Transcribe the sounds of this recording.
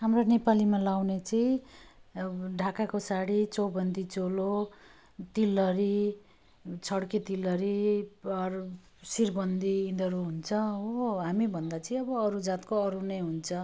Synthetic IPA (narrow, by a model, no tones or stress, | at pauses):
ɦamronepalimalawnet͡sʌĩ | ɖʱakakosaɽit͡sʌbʌnd̪it͡solo | t̪ilːʌɾi | t͡sʰʌɽket̪ilːʌɾiʌr | sirbʌnd̪iĩnd̪ʌɾuɦunt͡sʰʌoɦamibʱʌnd̪at͡sʌĩʌbʌːɾud͡zat̪koʌɾunʌjɦunt͡sʰʌ